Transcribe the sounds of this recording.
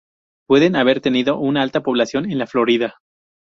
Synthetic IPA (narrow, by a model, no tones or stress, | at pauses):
pwe̞ðe̞naβe̞ɾt̪e̞niðo̞ʔunaalt̪apo̞β̞lasjo̞ne̞nlaflo̞ɾiða